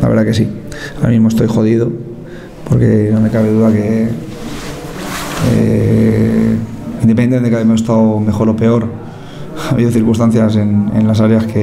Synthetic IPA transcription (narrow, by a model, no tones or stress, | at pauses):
la̰βḛɾðake̞s̬iaa̰mĩmost̪o̞jxo̞ð̞iðo̞ | po̞ɾke̞̰no̞me̞kaβe̞ðuðake̞ | ḛ | ind̪epeneenekaβemosest̪awme̞xo̞ɾo̞pe̞o̞ɾ | aβiðoθiɾkust̪an̟θjas̬e̞nḛnlasaɾjaske